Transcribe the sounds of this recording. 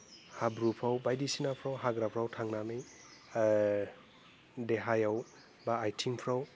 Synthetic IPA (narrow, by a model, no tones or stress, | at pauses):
habɾupʰawbajdisinapʰɾawɦaɡɾapʰɾawtʰaŋnamɯj | deɦajaw | baːjtʰimpʰɾaw